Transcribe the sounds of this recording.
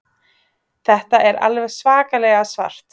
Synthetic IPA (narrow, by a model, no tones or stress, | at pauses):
θɛht̪aʔɛɾa̰lvɛɣsvaːkalɛːɣasva̰r̥t̪